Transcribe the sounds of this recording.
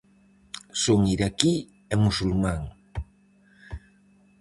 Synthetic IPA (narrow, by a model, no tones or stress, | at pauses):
soŋiɾaki | ɛmusulmãŋ